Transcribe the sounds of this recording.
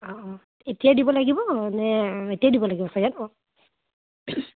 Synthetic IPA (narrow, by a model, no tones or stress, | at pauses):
ɔʔɔ | etijadibɔlaɡibɔnɛetijadibɔlaɡibɔsajanɔ